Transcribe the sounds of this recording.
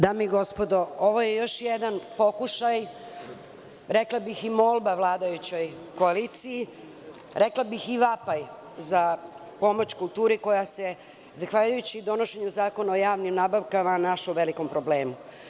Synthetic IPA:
d̪aːmiiɡo̞spod̪o̞o̞ʋojejo̞ʃjed̪anpo̞kuʃaj | ɾeklˠabiximolˠbaʋlˠaːd̪ajut͡ɕo̞jkoaliːt̪siji | ɾeklˠabixiʋapaj | za | po̞mo̞t͡ɕkulˠt̪uːɾeko̞jase̞ | zaxʋaːʎujut͡ɕid̪o̞no̞ʃeɲuzaːko̞naojaːʋnimnaːbaʋkamanaʃuʋeliko̞mpɾo̞bleːmu

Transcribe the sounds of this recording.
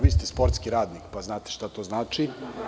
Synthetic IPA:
ʋiːst̪espoɾt̪skiɾaːd̪nikpaznaːt̪e̥ʃt̪at̪oːznaːt͡ʃi

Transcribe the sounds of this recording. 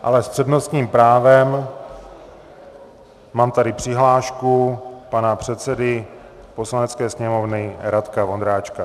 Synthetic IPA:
ʔa̰lɛst̪r̥ɛdnost̪ɲiːmpɾaːvɛm | maːmt̪adɪpr̥ɪɦlaːʃkupanapr̝̥ɛt̪sɛdɪ | po̞slanɛt͡skɛːsɲɛmo̞vnɪɾat̪kavo̞nd̪ɾaːt͡ʃka

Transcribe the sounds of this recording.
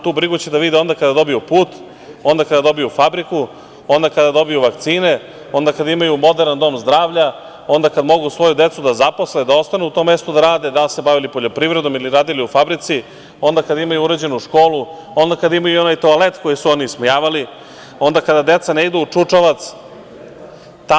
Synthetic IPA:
t̪uːbɾiɡut͡ɕed̪aʋid̪ɛo̞nd̪akad̪ad̪o̞bijupuːt̪ | o̞nd̪akad̪ad̪o̞bijufabɾiku | o̞nd̪akad̪ad̪o̞bijuʋakt̪siːne̞ | o̞nd̪akad̪aimajumo̞d̪eɾnand̪o̞mzd̪ɾaːʋʎa | o̞nd̪akad̪mo̞ɡusʋo̞jud̪e̞t̪sud̪azapo̞sled̪ao̞st̪anuut̪o̞ːmːe̞st̪ud̪aɾaːd̪ed̪alse̞baʋilipo̞ʎo̞pɾiʋɾe̞d̪o̞miliɾaːd̪iliufabɾit̪si | o̞nd̪akad̪aimajuuɾed͡ʑe̞nuʃko̞ːlu | o̞nd̪akad̪aimajuio̞najt̪o̞ale̞t̪ko̞jisuoniːsmojaːʋali | o̞nd̪akad̪ad̪e̞t̪saneid̪uut͡ʂut͡ʂaʋat̪s | t̪

